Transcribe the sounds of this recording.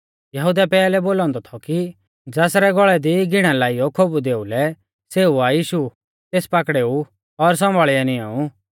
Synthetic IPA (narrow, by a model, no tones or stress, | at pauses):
jɐɦud̪apɛːlɛboːlɔ̃ːnd̪ɔt̪ʰɔki | d͡zɛːsɾɛɡɔɭɛd̪iɡɪɽ̃ãlaːijɔkʰobud̪eːulɛ | seːuajiːʃu | t̪eːspakɽeːu | ɔɾs̬ɔ̃mbʱaːɭɪaniaːu